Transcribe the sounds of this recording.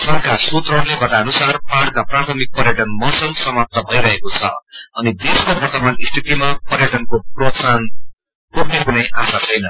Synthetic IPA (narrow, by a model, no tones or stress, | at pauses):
sʌrkasut̪rʌɾlebʱʌt̪aʌnusarpaɽkaprat̪ʰʌmik̚pʌrjaʈʌnmʌsʌlsʌmap̚t̪ʌbʱʌjɾʌɦekot͡sʰʌ̰ʌnid̪eskobʱʌrt̪ʌmanist̪ʰit̪imapʌrjaʈʌnkop̚rosan | poknekunʌjʔasat͡sʰʌjnʌ